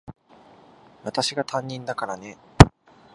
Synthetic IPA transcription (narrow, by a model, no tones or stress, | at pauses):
βat̪aɕiɡat̪ʰãɲ̟ːĩnd̪akaɾane̞